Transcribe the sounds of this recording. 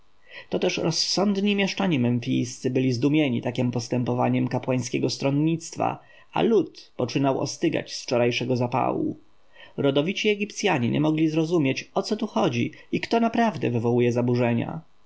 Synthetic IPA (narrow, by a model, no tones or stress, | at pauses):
t̪ɔt̪ɛʂɾɔsːɔnd̪ɲimʲjɛʂt͡ʂaɲimɛmfʲijst̪sɘbɘlʲizd̪umʲjɛɲḭt̪akʲimpɔst̪ɛmpɔva̰ɲɛmkapwaj̃skʲɛɡɔst̪ɾɔnɲːit̪st̪fa̰ | a̰lut̪pɔt͡ʂɘnawɔ̰st̪ɘɡa̰t͡ɕsft͡ʂɔɾajʂɛɡɔzapa̰wṵ | ɾɔd̪ɔvʲit͡ɕiɛɡʲipt̪sʲjaɲḭɲʔɛ̰mɔɡlʲizɾɔzumʲjet͡ɕɔt̪sɔt̪uxɔd͡ʑiikt̪ɔnapɾavd̪ɛ̰vɘvɔwujɛzabuʐɛɲa̰